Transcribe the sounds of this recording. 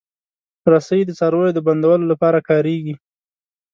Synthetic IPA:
ɾasəjid̪ət͡sɑɾojod̪əband̪awəlolapɑɾakɑɾeɡi

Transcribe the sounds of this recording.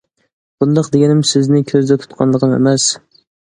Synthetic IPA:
b̥ʊnd̪ɑqd̪eɡʲɛnɪmsɪznɪkʲʰøzd̪ɛt̪ʰʊ̥t̪qʰɑnlˠəqɨmḛmæs

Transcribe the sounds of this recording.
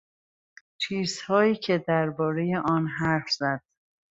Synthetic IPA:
t͡ʃʰiːz̥hɒːiːcʰed̪æɾbɒːɾe̞je̞ʔɒːnɦæɾfz̥æd̪̥

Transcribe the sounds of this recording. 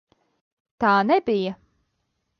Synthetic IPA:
t̪aːnɛbijɐ

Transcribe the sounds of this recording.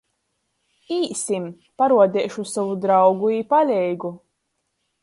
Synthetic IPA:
iːsim | paɾuɔd̪ɛːʃusavud̪ɾawɡuipalʲɛjɡu

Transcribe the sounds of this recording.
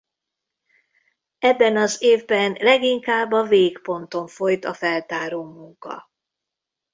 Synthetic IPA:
ɛbːɛnɒzeːvbɛnlɛɡiŋkaːbːɒveːkpo̞nt̪o̞ɱfo̞jt̪ɒfɛlt̪aːɾoːmuŋkɒ̰

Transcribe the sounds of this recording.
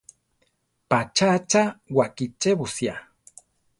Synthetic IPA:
pat͡ʃat͡ʃawakit͡ʃeβusja

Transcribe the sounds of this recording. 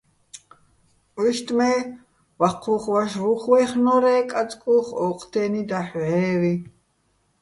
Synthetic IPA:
uʃt̪ʼmɛː | waqʰuχwaʃɾuχwɛχnɔɾɛːkʼat͡sʼkʼuːχɔqʰʼt̪ʰɛːnid̪aħʕɛːwi

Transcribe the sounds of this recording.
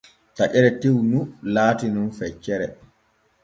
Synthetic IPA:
taʔɛɾɛtiwnulaːtinunfɛt͡ʃːɛɾɛ

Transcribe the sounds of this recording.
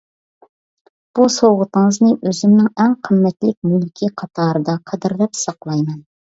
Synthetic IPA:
b̥usowʁət̪əŋəznɨʔøzymnɪŋɛŋqʰəmːɛt̪lɪk̚ʲmylkʲʰiqʰɑt̪ʰɑːɾɨd̪ɑqʰɛd̪ɪɾlɛpsɑqlˠɑjmɛn

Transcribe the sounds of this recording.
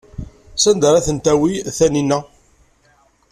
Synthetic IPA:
sænd̪əɾæθənt̪æwiθæninːæ

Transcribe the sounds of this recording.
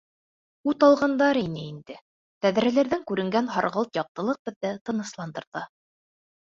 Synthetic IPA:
ut̪ɑlˠʁɑnd̪ɑɾinɘind̪ɘ | t̪æðɾælæɾðæŋkʉɾɘ̆ŋɡænɦɑɾʁɤlˠt̪jɑq̚t̪ɤ̆lˠɤq̚b̥ɘ̆ðːæt̪ɤ̆nɤ̆slˠɑnd̪ɤ̆ɾðɑ

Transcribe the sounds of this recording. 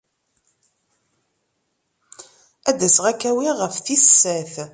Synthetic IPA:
æd̪æsʁækːæwiʁəfθisːæθ

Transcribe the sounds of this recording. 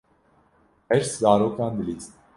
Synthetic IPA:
ɛɾszaɾɔkand̪lis

